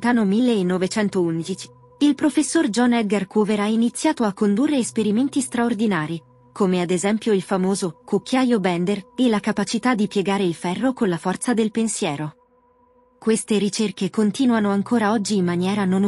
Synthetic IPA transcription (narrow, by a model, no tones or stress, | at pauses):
t̪aːnomilːeːnːovet͡ʃɛnt̪ound̪it͡ʃi̥ | ilpɾofesːord͡ʒɔnɛd̪̚ɡarkuːveɾainit̪sːjaːt̪oakːond̪urːeːspeɾiment̪ist̪ɾaord̪inaːɾi | kʰomead̪ezɛmpjoilfamoːzokokːjaːjobɛnd̪erelakapat͡ʃit̪ad̪ːipjeɡaːɾeilfɛrːokonlafɔrt̪sad̪elpensjɛːɾo | kwest̪eɾit͡ʃerkekont̪iːnuanoaŋkʰoːɾaɔd͡ʒːiːmːanjɛːɾanon